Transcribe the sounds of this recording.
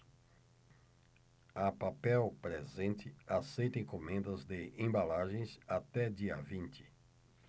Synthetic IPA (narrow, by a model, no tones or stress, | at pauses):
ɐpapɛwpɾezẽnt̪ɪasejt̪ẽj̃komẽnd̪ɐzd̪ɪẽbalaʒẽj̃sat̪ɛd͡ʒiɐ̰vĩnt͡ʃ̪ɪ̥